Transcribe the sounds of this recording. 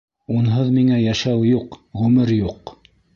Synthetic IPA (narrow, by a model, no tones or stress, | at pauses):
unɦɤðmiŋæjæʃæwjuqʁʉmɘɾjuq